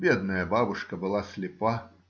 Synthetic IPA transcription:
bʲɛd̪̚nɐjɐbabuʂkɐbɨlˠasʲlʲɪpa

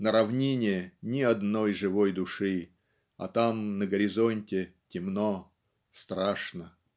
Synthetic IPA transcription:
nəɾɐvnʲenʲɪjənʲɪɐd̪nojʐɨvojd̪ʊʂɨ | ɐ̰t̪amnəɡəɾʲɪzonʲtʲɪtʲɪmno | st̪ɾaʂnə

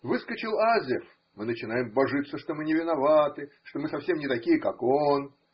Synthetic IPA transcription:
vɨskət͡ɕɪlˠazʲɪf | mɨnət͡ɕɪnajɪmbɐʐɨt̪səʂt̪omɨnʲɪvʲɪnɐvat̪ɨʂt̪omɨsɐfsʲe̞mnʲɪt̪ɐkʲijəka̰kon

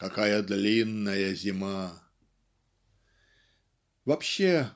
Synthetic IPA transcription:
kɐkajəd̪lʲinːəjəzʲɪma | vɐpɕːe

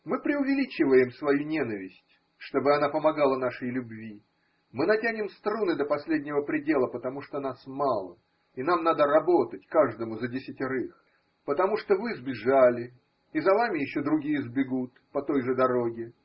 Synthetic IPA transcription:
mɨpɾʲɪʊvʲɪlʲit͡ɕɪvəjɪmsvɐjunʲenəvʲɪsʲtʲ | ʂt̪o̞bɨɐnapəmɐɡalˠən̪aʂəjlʲʊbvʲi | mɨnɐtʲænʲɪmst̪ɾunɨd̪əpɐsʲlʲedʲnʲɪvəpɾʲɪdʲe̞lˠəpət̪ɐmuʂt̪on̪asmalˠə̰ | in̪amnad̪əɾɐbo̞t̪ətʲkaʐd̪əmʊzədʲɪsʲɪtʲɪɾɨx | pət̪ɐmuʂt̪ovɨzbʲɪʐalʲɪː | zɐvamʲɪjɪɕːo̞d̪ɾʊɡʲijəzbʲɪɡut̪pɐt̪o̞jʐɨd̪ɐɾoɡʲɪ

